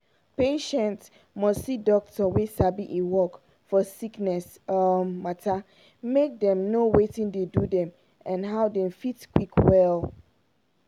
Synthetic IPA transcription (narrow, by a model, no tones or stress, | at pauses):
peʃɛ̃nts | mɔssidɔk̚tɔwesabiʔewɔk | fɔsiknɛs | matʰa | mek̚dɛ̃mnowetĩndedudɛ̃m | ãnɦaʊdɛ̃mfitkwikʰwɛl